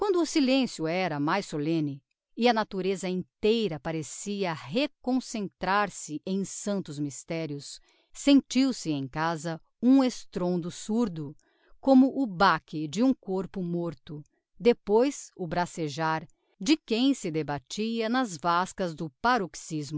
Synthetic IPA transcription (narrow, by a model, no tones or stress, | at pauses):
kwɐ̃nd̪ʊːsilẽsjʊɛɾɐmajsːolẽnɪ | ɪɐnat̪uɾezɐĩnt̪ejɾɐpaɾesiɐɦekõsẽnt̪ɾaɾsɪʔẽj̃sɐ̃nt̪ʊzmist̪ɛɾjʊsː | ẽnt͡ʃiwsɪẽj̃kazɐ | ũest̪ɾõnd̪ʊsuɾd̪ʊ | kõmʊʔʊbakɪd͡ʒɪũkoɾpʊmoɾt̪ʊ | d̪epojsʊbɾaseʒaɾ | d͡ʒɪkẽj̃sɪd̪ebat͡ʃiɐnɐzvaskɐzd̪ʊpaɾoksizmʊ